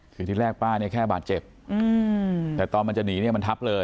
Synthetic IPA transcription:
kʰɯː˧t̪ʰiː˥˩ɾɛː˥˩k̚paː˥˩ni˥˩ɐkʰɛː˥˩baː˨˩t̪̚t͡ɕe˨˩p̚ | ɯ˧t̪ɛː˨˩t̪ɔː˧nma˧nt͡ɕa˨˩niː˩˦ni˥˩ɐma˧nt̪ʰa˦˥p̚lɤː˧

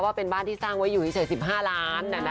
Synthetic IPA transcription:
waː˥˩pe˧nbaː˥˩nt̪ʰiː˥˩saː˥˩ŋwa˦˥jːuː˨˩t̪i˥sʰa˨˦jsi˨˩p̚ɦaː˥˩laː˦˥nːa˧˩na˦

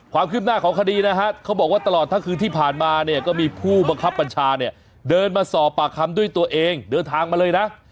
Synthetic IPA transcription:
kʰwaː˧mkʰɯ˥˩p̚naː˥˩kʰɔː˩˦ŋkʰa˧diː˧na˦˥kʰa˦˥kʰa˦˥wbɔː˨˩k̚waː˥˩t̪a˧lɔː˨˩t̪ʰːa˥˩ŋkʰɯː˧nt̪ʰiː˥˩pʰaː˨˩nmaː˧ni˥˩ɐkɔː˥˩miː˧pʰuː˥˩ba˧ŋkʰa˦˥pːa˧nt͡ɕʰaː˧ni˥˩ɐ | dɤː˧nmaː˧sɔː˨˩pːaː˨˩kʰa˧mdu˥˩əjt̪u˧ɐʔeː˧ŋdɤː˧nt̪ʰaː˧ŋma˧lɤː˧jna˦˥ʔ

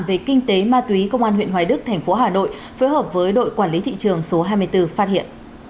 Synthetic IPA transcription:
mve˨˩kï˧ŋ̟t̪e˨˦maː˧t̪wi˨˦kə˧wŋ͡mʔaː˧nhwḭ˧˨ənɦwaː˨˦ɗɨ˦˥k̚t̪ʰɛ˨˩jŋ̟fo˨˦ɦaː˨˩no̰˧˨j | foː˨˦jɦəː˨˩p̚vəː˨˦jɗo̰˧˨jkwaː˧˩nli˨˦t̪ʰḭ˧˨t͡ɕɨ˨˩əŋso˨˦ɦaː˧jmɨ˧əjt̪ɨ˧faː˦˥t̚hḭ˧˨ən

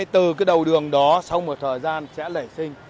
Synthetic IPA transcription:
t̪ɨ˨˩kaː˨˦jɗə˨˩wɗɨ˨˩əŋɗɔ˨˦sa˧wmo˨˩t̚t̪ʰəː˨˩jzaː˧nsɛ̰˧˥lə˧˩jsï˧ŋ̟

